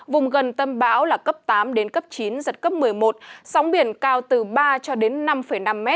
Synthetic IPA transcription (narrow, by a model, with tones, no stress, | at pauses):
vʊ˨˩ŋ͡mɣə˨˩nt̪ə˧mɓaː˨˦wlaː˨˩kə˦˥p̚t̪aː˨˦mɗe˨˦nkə˦˥p̚t͡ɕi˨˦nzə˨˩t̚kə˦˥p̚mɨ˨˩əjmo˨˩t̚sɔ˨˦wŋ͡mɓi˧˩ənkaː˧wt̪ɨ˨˩ɓaː˧t͡ɕɔ˧ɗe˨˦nːa˧mfə˧˩jna˧mːɛ˦˥t̚